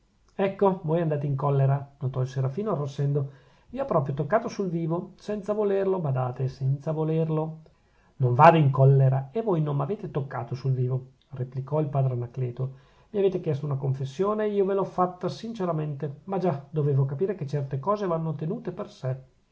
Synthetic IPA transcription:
ɛkːovoːjand̪aːt̪̬eiŋkɔlːeɾanot̪ɔilseɾafiːnoarːosɛnd̪o | iːoɔpːɾɔːpɾjot̪okːaːt̪osulviːvosɛnt̪savolerlobad̪aːt̪esɛnt̪savolerlo | noɱvaːd̪eiŋkɔlːeɾaevojnomːaveːt̪et̪okːa̰ːt̪osulviːvo | replikɔilpaːd̪ɾenakleːt̪o | miaveːt̪ekjɛst̪ounakoɱfesːjoːneiːovelɔfːat̪ːasint͡ʃeɾament̪emad͡ʒad̪oveːvokapiːɾeket͡ʃːɛrt̪ekɔːzevanːot̪enuːt̪eperse

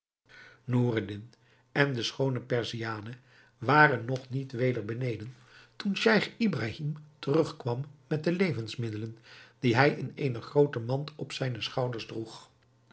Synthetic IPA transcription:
nuːrədɪn | ɛndəsχownəpɛɹziaːnə | ʋaːrənːɔχnitʋejdəɹbənejdən | tunʃɛjχibraːɦimtərɵχkʋɑmːɛt̚dəlejvənsmɪdələnd̥iɦɛjɪnejnəχrowtəmɑntɔpsɛjnəsχɑwdəɹzdruχ

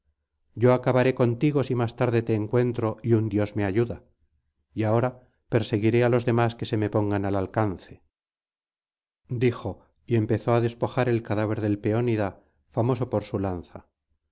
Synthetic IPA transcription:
ɟ͡ʝo̞akaβaɾe̞ko̞nt̪iɣo̞simast̪aɾðe̞t̪e̞ːŋkwe̞nt̪ɾo̞iund̪jo̞zme̞aʝuða | iao̞ɾa | pe̞ɾse̞ɣiɾe̞alo̞zðe̞maske̞se̞me̞po̞ŋɡanalalkanθe | d̪ixo̞ | ie̞mpe̞θo̞aðe̞spo̞xaɾe̞lkaðaβ̞e̞ɾðe̞lpe̞o̞niða | famo̞so̞poɾsulanθa

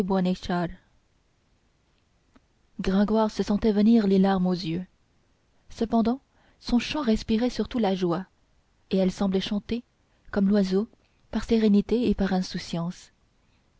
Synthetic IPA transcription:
bwaneʃal | ɡʁɛ̃ɡwaʁsəsɑ̃t̪ɛvəniʁlelaʁmozjø | səpɑ̃d̪ɑ̃ | sɔ̃ʃɑ̃ʁɛspiʁɛsyʁt̪ulaʒwa | eɛlsɑ̃blɛʃɑ̃t̪e | kɔmlwazo | paʁseʁenit̪eepaʁɛ̃susjɑ̃s

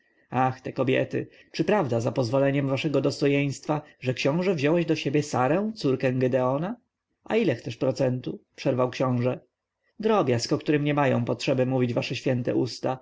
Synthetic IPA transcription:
axt̪ɛkɔbʲjɛ̰t̪ɘ̰ | t͡ʂɘpɾavd̪azapɔzvɔlɛɲɛmvaʂɛɡɔd̪ɔst̪ɔjeɲ̃st̪faʐɛkɕɔ̃w̃ʐɛvʑɔwɛʑd̪ɔɕebʲjɛsaɾɛ̃w̃t̪suɾkɛ̃ɡɛd̪ɛɔna | a̰ilɛxt̪sɛʂpɾɔt̪sɛnt̪upʂɛɾvawkɕɔ̃w̃ʐɛ | d̪ɾɔbʲjaskɔkt̪uɾɘmɲɛmajɔ̃w̃pɔtʂɛbɘmuvʲid͡ʑvaʂɛɕfʲjɛnt̪ɛ̰ʔust̪a

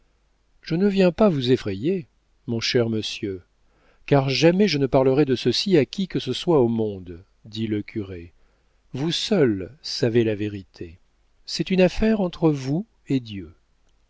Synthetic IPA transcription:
ʒ̥ənəvjɛ̃pavuzefχeje | mɔ̃ʃɛʁməsjø | kaʁʒamɛʒənəpaʁləʁɛd̪əsəsiakʲikəsəswaomɔ̃d̪ | d̪iləkʰʲyʁe | vusœlsavelaveʁit̪ʰe | sɛt̪ynafɛʁɑ̃t̪χəvu | ed̪jø

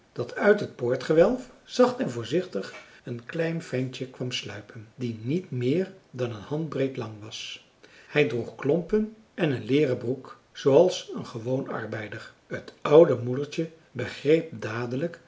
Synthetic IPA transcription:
d̥ɑtœɥtɦət̚pʊːɹtχəʋɛlˠfz̥ɑχtɛnvʊːɹzɪχtəχənklɛjnfɛnt͡ʃəkʋɑmslœ̰ɥpʰəndinitmɪːɹdɑnənhɑndbrejtlɑŋʋɑs | hɛjdruχklɔmpən | ʔɛnənlɪːrəbruk | z̥oɑlˠsənχəʋownɑ̰ɹbɛjdəɹ | ətɑwdəmudəɹt͡ʃə | bəχrejp̚daːdələk

